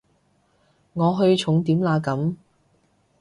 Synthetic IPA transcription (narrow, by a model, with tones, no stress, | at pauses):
ŋɔː˨˧ɦɵ˧ɥt͡ʃʰʊ˨˥ŋt̪iː˨˥mlaː˨˧kɐ˨˥m